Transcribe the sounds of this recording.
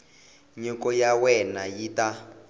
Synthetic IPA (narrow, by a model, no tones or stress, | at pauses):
ɲɔkɔjawɛnajita